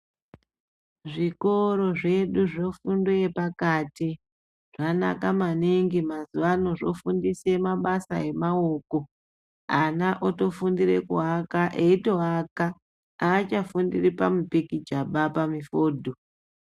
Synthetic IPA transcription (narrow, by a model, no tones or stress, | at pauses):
ʐikoɾo̞ʐe̞ɗuʐofunduepakati | ʐ̥ana̰kamaneŋɡimazuʋano̞ʐo̞̰fundise̞maɓasa̰e̞maoko̞ | anaʔoto̞fundiɾe̞̰kuɦakaʔeitoɦaka | aːt͡ʃafundiripamupikid͡ʒaɓapamifoːdʱo